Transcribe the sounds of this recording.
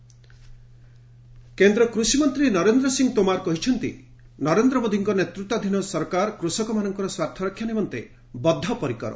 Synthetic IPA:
kend̪ɾɔkɾusimɔnt̪ɾinɔɾend̪ɾɔsiŋt̪omaɾkɔɦit͡ʃʰɔnt̪ḭ | nɔɾend̪ɾɔmod̪ʱiŋkɔnet̪ɾut̪ːad̪ʱinɔsɔɾkaɾkɾusɔkɔmanɔŋkɔɾɔswat̪ʰjɔɾɔkʰːjanimɔnt̪e | bɔd̪ʱːɔpɔɾikɔɾɔ̰

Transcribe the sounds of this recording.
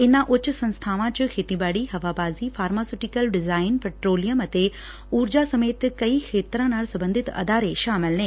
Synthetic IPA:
ɪnãʔʊt͡ɕʊ̆sɐ̃nst̪ʰaːʋãt͡ɕʊkʰeːt̪ibaːɽiɦɐʋabaːzifaːɾmaːsuʈɪkəlɖɪzaːɪnpɛːʈɾoːlijəmɐt̪e | uːɾd͡ʑasɐmeːt̪kɐixʰeːt̪ɾãnaːɽsɐ̃bə̃nd̪ʱɪt̪ɐ̰d̪aːɾeʃaːmɪlnẽː

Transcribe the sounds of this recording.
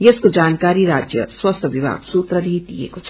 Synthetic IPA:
jeskod͡zankaɾiɾad͡zjʌ̰swʌst̪ʰʌbibʱa̰ɡsut̪rʌdid̪ijḛkot͡sʰʌ̥

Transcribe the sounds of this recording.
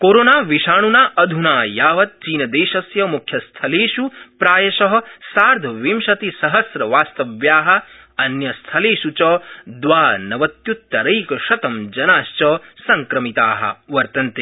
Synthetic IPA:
koːɾoːnaːʋiʃaːɳunaːʔɐd̪ʱunaːjaːʋɐt̪̚t͡ʃiːnɐd̪eːʃɐsjɐmukʰjɐst̪ʰɐleːʃupɾaːjɐʃɐɦɐ̆saːɾd̪ʱɐʋimʃɐt̪isɐɦɐsɾɐʋaːst̪ɐʋjaːɦɐ̆ | ɐnjɐst̪ʰɐleːʃut͡ʃɐd̪ʋaːnɐʋɐt̪jut̪ːɐɾɐjkɐʃɐt̪ɐmd͡ʒɐnaːʃt͡ʃɐːsɐŋkɾɐmit̪aːɦɐ̰ʋɐɾt̪ɐnt̪e

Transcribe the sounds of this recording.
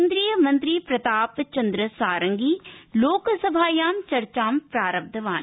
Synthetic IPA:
nd̪ɾijəmɐ̃nt̪ɾiːpɾɐt̪aːpt͡ʃɐnd̪ɾəsaːɾəŋɡiːloːksɐbʱaːjaːmt͡ʃɐɾt͡ʃaːmpɾaːɾəb̚d̪ʱəʋaːn

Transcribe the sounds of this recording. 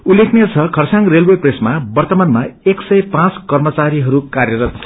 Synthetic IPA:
ulːekʰnet͡sʰʌkʰʌrsãŋrelwepresmabʌrt̪ʌmanmaeksʌjpãt͡skʌrmʌt͡saɾiɦʌɾukarjʌɾʌt̪ʰ

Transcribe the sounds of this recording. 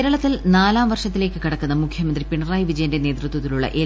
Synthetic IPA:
ɾɐɭɐt̪ːilnaːlaːmʋɐrʂɐt̪ːileːkːɨkiɽɐkːunːɐmukʰjɐmɐnd̪ripiɳɐraːjʋid͡ʑɐjɐndene̞ːt̪rɨt̪wɐt̪̬ːiluɭːɐ̰ʔe

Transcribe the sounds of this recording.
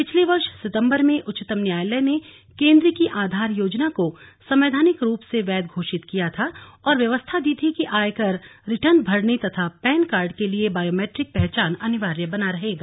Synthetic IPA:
pɪt͡ʃʰleʋɐɾʃsɪt̪ə̃mbəɾmẽʔʊt͡ʃːɪt̪əmnjaːjlɛne | kẽːnd̪ɾəkiʔaːd̪ʱaːɾjoːd͡ʒnakosɐ̃mʋeːd̪ʱaːnɪkɾuːpseʋɛːd̪̚ɡʱoːʃɪt̪kijat̪ʰaɔːɾʋjɐʋəst̪ʰad̪iːt̪ʰikiʔaːjkɐɾɾɪʈənbʱɐɽnit̪ɐt̪ʰapɛːnkaːɾɖkeliebaːjoːmeːʈɾɪk̚pɛɦt͡ʃaːnɐnɪʋaːɾjəbɐnaɾɐɦeːɡaː

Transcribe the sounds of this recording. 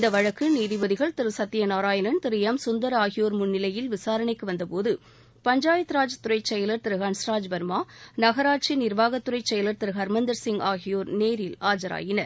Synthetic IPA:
ɪnd̪ɐʋɐɻɐkːɯniːðɪʋɐðɪɣɐɭt̪ɪɾɯsɐt̪ːɪjɐnaːɾaːjɐnɐnt̪ɪɾɪjɐmsʊnd̪ɐɾaːɣɪjoːɾmʊnːɪlɐjɪlʋɪsaːɾɐɳɐɪkːɯʋɐnd̪ɐpoːðɯ | pɐɲd͡ʒaːjɐt̪ːɾaːd͡ʒt̪ʊɾɐɪt͡ʃɛjɐlɐɾt̪ɪɾɯɣɐɳsɾaːd͡ʒbɐɾmaːnɐɣɐɾaːʈ̚t͡ʃːinɪɾʋaːɣɐt̪ːʊɾɐɪt͡ʃːɛjɐlɐɾt̪ɪɾɯɣɐɾmɐnd̪ɐɾsɪŋɡaːɣɪjoːɾneːɾɪlaːd͡ʒɐɾa̰ːjɪnɐɾ

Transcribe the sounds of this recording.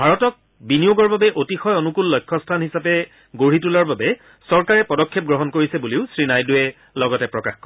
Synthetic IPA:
bʱaɹɔtɔk̚ | binijoɡɔɹbabɛʔotixɔjɔnukulːɔjkʰːɔstʰanhisapɛ | ɡoɹitulɔɹbabɛ | sɔɹkaɹɛpɔdɔkʰːep̚ɡɹɔɦɔnkoɹisɛbuliʊsɹinajduɛ | lɔɡɔtɛpɹɔkaxkɔ

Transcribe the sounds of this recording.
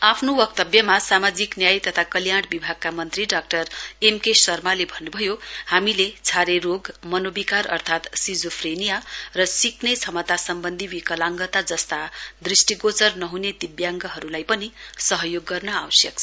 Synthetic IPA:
apʰnowʌk̚t̪ʌbjʌmasamad͡ziknjajt̪ʌt̪ʰakʌljaɽ̃bibʱaɡ̚kamʌnt̪riɖak̚ʈʌremkesʌrmalebʱʌnːubʱʌjohamilet͡sʰaɾeɾoɡmʌnobikarʌ̰rt̪ʰat̪sid͡zopʰrenijarʌsiknet͡sʰʌmʌt̪asʌmbʌnd̪ʱiwikʌlaŋɡʌt̪ad͡zʌst̪ad̪risʈiɡot͡sʌrnʌɦuned̪ibjaŋɡʌɦʌɾulajpʌnisʌɦʌjoɡːʌrnʌawsjʌk̚t͡sʰ

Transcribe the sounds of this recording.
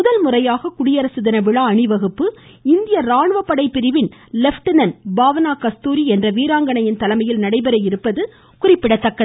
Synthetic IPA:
mʊðɐlmʊrɐjaːɣɐkʊɽɪjɐɾɐsɯðɐnɐʋɪɭaɐɳɪʋɐɣɯpːɯ | ɪnd̪ɪjɐɾaːɳɯʋɐpːɐɽɐɪpːɪɾɪʋɪnlɛfʈɯnɐnbaːʋɐnaːkɐst̪uːɾiɛndrɐʋiːɾaːŋɡɐɳɐjɪnt̪ɐlɐmɐjɪlnɐɽɐɪbɐɾɐjɪɾɯpːɐðɯ | kʊrɪpːɪɽɐt̪ːɐkːɐ

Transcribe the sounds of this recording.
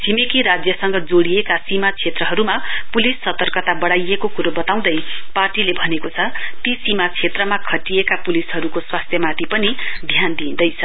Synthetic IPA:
t͡sʰimekiɾad͡zjʌsʌŋɡʌd͡zoɽiekasimat͡sʰet̪rʌɦʌɾumapulisːʌt̪ʌrkʌt̪abʌɽajekokuɾobʌt̪aw̃d̪ʌjparʈilebʱʌnekot͡sʰʌt̪isimat͡sʰet̪rʌmakʰʌʈiekapulisɦʌɾukoswast̪ʰjʌmat̪ʰipʌnid̪ʱjand̪ind̪ʌjt͡sʰʌ

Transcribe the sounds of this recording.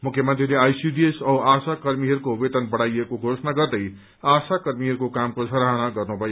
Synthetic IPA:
mukʰjəmənt̪rileajsubiesʌwasakʌɾmiɦʌɾukoubet̪ənbəɽ̤ajekoɡʱosənaɡʌɾd̪əj | asakʌɾmiɦʌɾukokamkosʰʌɾaɦnaɡʌɾnubʱʌ

